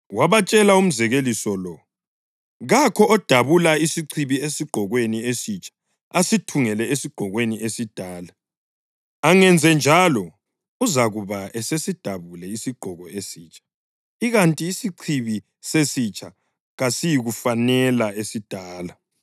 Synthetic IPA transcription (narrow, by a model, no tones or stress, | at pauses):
waβat͡ʃʼɛlaum̩zɛɣelisɔlɔ | ɣakʰɔɔd̥ʱaβulaisiǀʰiβiesiɡ͡ǃ̥ʱɔɣweniesit͡ʃʼʰḁ | asitʰuŋɛlɛesiɡ͡ǃ̥ʱɔɣweniesid̥ʱaːla | aŋɛnd͡zʱɛnd͡ʒʱalɔ | uzaɣuβaʔɛsesid̥ʱaβulɛisiɡ͡ǃ̥ʱɔɣɔesiːt͡ʃʼḁ | iɣantʼiːsiǀʰiβi | sesit͡ʃʼa | ɣasijiɣufanɛlaesid̥ʱaːla